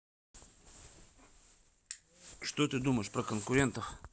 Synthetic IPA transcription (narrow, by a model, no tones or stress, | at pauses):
ʂt̪ot̪ɨd̪uməjɪʂpɾəkənkʊɾʲe̞nt̪əx